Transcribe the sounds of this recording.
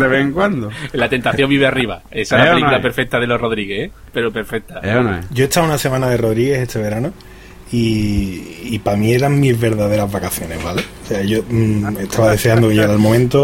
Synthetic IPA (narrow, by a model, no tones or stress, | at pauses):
deβeeŋkwand̪olːat̪e̞nt̪aθjo̞mbiβeariβa̰ | esaelaelikulapeɾfe̞k̚t̪aðelo̞roðɾiɣehe | pe̞ɾope̞ɾfek̚t̪an̰ɟ͡ʝo̞et̪awunase̞mãnaðe̞ro̞ðɾiɣe̞set̪ʰe̞βe̞ɾano | iː | pamĩe̞ɾaŋmizβe̞ɾðaðe̞ɾazβakaθjo̞ne̞zβale̞oseaʝo̞me̞t̪ʰaβaðe̞seand̪okejeeɾalmomẽnt̪o